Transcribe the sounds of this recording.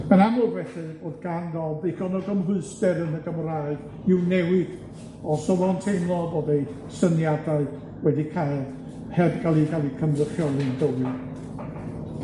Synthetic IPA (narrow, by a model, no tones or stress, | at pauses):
mananʊvɛθɨboːdɡanɡɔlˠdejkɔnɔɡəmɦʊɨstɛɾənəɡəmraɨð̥ | ɪwnɛwɪd | ɔsɔvɔntʰejmlˠɔboːdej | sənjadaɨð | wɛdikʰajlˠ | hɛbɡalˠiɡalˠikʰəmləχjɔnɨndəwɨ